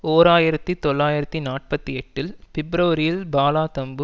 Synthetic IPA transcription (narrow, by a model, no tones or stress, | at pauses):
oːɾaːjɪɾɐt̪ːit̪ɔɭːaːjɪɾɐt̪ːinaːʈ̚pɐt̪ːiɛʈːɪlfɪbɾɐʋɐɾɪjɪlbaːlaːt̪ɐmbɯ